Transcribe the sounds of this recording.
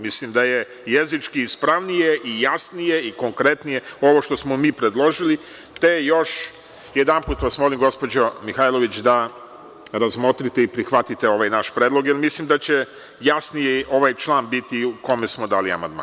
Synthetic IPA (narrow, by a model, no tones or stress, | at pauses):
mislimd̪aje | jezit͡ʃkiispɾaʋnijeʔijasnije̞iko̞ŋkɾe̞t̪nije̞o̞ʋo̞ʃt̪o̞smomiːpɾed̪lˠo̞ʒili | t̪ejjo̞ʃ | jed̪ampuːt̪ʋasmo̞limɡo̞spo̞d͡ʑo̞mixajlˠo̞ʋit͡ɕd̪a | ɾazmo̞t̪ɾit̪eipɾixʋat̪it̪e̞o̞ʋajnaʃpɾed̪lˠo̞ɡjelmislimd̪at͡ɕe̞ | jasnijeʔo̞ʋajt͡ʃlˠaːnbit̪iuko̞mesmo̞d̪aːlia̰ma̰nd̪ma̰ː